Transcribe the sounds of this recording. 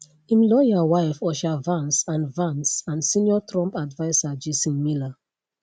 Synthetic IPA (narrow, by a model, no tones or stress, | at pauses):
ĩmlɔjawaɪfɔʃavãnsãnvãnsãnsĩnjɔtɹɔ̃mpadvaɪsad͡ʒisĩnmila